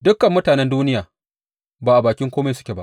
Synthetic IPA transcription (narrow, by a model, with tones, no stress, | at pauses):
dʊ˦kːɐ˨mːʊ˦taː˨nɛ˦nduː˦nɪ˦jaː˨ | baː˨ʔa˨baː˨kʲɪ˦ŋkʷoː˦me˦sʊ̥˦kʲe˨ba̰˦ʔ